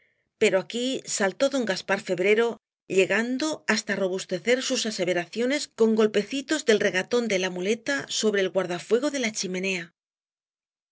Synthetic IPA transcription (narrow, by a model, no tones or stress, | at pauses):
pe̞ɾo̞akisalt̪o̞ðo̞ŋɡaspaɾfe̞βɾe̞ɾo̞ | ʎe̞ɣand̪o̞ast̪aro̞βust̪e̞θe̞ɾsusase̞β̞e̞ɾaθjo̞ne̞sko̞ŋɡo̞lpe̞θit̪o̞zðe̞lre̞ɣat̪o̞nd̪e̞lamule̞t̪aso̞βɾe̞ːlɣwaɾðafwe̞ɣ̞o̞ðe̞lat͡ʃime̞ne̞a